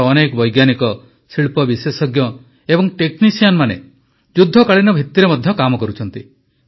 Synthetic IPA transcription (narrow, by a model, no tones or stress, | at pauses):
nekɔbɔjɡjanikɔ | siɭpɔbisesɔɡjɔ | ebɔŋʈeknisijanmanḛ | d͡ʒud̪ʱːɔkaɭinɔbʱit̪ːiɾemɔd̪ʱjɔkamɔkɔɾut͡ʃʰɔnt̪i